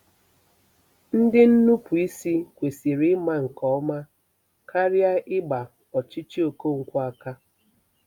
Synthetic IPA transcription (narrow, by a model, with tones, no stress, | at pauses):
n̩˦dɪ˦n̩˦nu˦pu˨i˦si˦kʷe˨si˨ɾi˦ma˦ŋ̩˨kɔ˨˦ma˦ | kʰa˦ɾja˦ʔɪ˦ɡ͡ba˨ | ɔ˨t͡ʃi˦t͡ʃi˦o˨ko˦˨ŋ̩˨kʷa˦a˦ka˦